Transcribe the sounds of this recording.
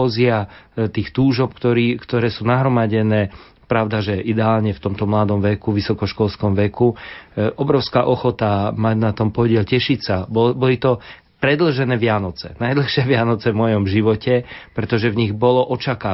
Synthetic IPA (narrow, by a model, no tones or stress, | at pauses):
ɔziat̪iːxt̪uːʒɔpkt̪ɔɾikt̪ɔɾɛːsuːnaɦɾɔmaɟɛnɛː | pɾaʊd̪aʒɛʔid̪ɛaːlɲɛft̪ɔmt̪ɔmlad̪ɔmʋɛkuʋisɔkɔʃkɔlskɔmʋɛkuʔɔbɾɔʊskaʔɔxɔt̪amaɟnat̪ɔmpɔɟɪɛlcɛʃicsabbɔlit̪ɔ | pɾɛd̪l̩ʒɛnɛːʋɪanɔt͡sɛnajd̪l̩xʃɪɛʋɪanɔt͡sɛvmɔjɔmʒiʋɔcɛpɾɛt̪ɔʒɛvɲiɣbɔlɔʔɔt͡ʃakaː